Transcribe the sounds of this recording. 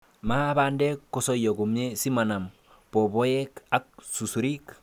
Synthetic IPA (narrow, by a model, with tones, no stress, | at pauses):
ma˦ba˦ndɛ˦kːo˨sɔ˦jɔ˨ku˨me˦si˦ma˨na˨m | pɔ˨bɔ˦jɛ˦ka˦k̚su˨su˨ɾi˦k